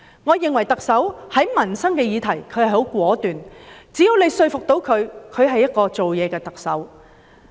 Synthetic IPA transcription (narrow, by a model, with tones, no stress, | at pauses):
ŋɔː˨˧jɪ˨ŋwɐ˨˩jt̪ɐ˨k̚sɐ˨˥whɐ˨˥jmɐ˨˩nsɐ˥ŋkɛː˧jiː˨˧t̪ʰɐ˨˩jkʰɵ˨˧ɥhɐ˨jho˨˥wkʷɔː˨˥t̪yː˨nt͡siː˨˥jiː˧wne˨˧jsɵ˧ɥfʊ˨k̚t̪o˨˧˥wkʰɵ˨˧ɥkʰɵ˨˧ɥɦɐ˨jːɐ˥t̚kɔː˧t͡so˨wjɛː˨˧kɛː˧t̪ɐ˨k̚sɐ˨˥w